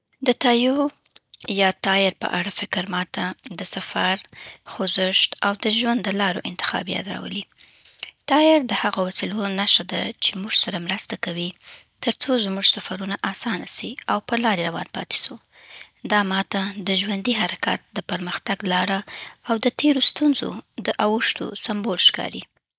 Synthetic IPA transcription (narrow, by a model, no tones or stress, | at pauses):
d̪ət̪ɑjo | jɑt̪ɑjɪɾpə̰ʔaɽafɪkɾmɑt̪ad̪əsafaɾxozɪʃt̪awd̪əʒwand̪ːəlɑɾoʔɪnt̪ɪ̥xɑ̰bija̰t̪ɾɑ̰wə̰li | t̪ɑɪɾd̪əhaɣowasilonaʃad̪at͡ʃemuʐsaɾamɾast̪akawi | t̪əɾt͡sozmuʐsafaɾunaʔɑsɑnasiawpəɾlɑɾeɾawɑ̰npɑ̰t̪e̥su | d̪ɑmɑt̪ad̪əʒwand̪iɦaɾaka̰t̪̚d̪əpəɾməxt̪aɡlɑɽaawd̪ət̪ʰeɾost̪unzo̰d̪əʔawəʂt̪o̰sambolʃkɑ̰ɾi